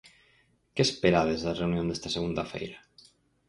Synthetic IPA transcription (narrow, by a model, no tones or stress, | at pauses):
kespeɾaðezðareunjond̪est̪aseɣund̪afḛjɾa